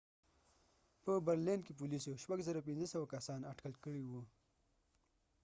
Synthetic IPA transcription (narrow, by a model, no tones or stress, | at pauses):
pəbaɾlenkep̬ulisoʃpaɡzəɾap̬inzəsəwakasɑnaʈkəlkəɽiwu